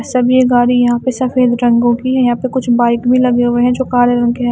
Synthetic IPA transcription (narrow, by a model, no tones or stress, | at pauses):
sɐbjeɡaːɾijɐɦãːpesɐfeːd̪ɾɐ̃ŋɡõkiɦɛjɐɦãpekʊt͡ʃʰbaːɪkbʱilɐɡeɦʊeɦɛ̃d͡ʒoːkaːɾeɾɐ̃ŋɡɦɛ̃